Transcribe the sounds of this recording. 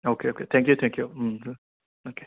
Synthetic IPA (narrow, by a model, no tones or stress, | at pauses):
okʰeokʰet̪ʰɛ̃ŋk̬jut̪ʰɛ̃ŋkʰju | okʰe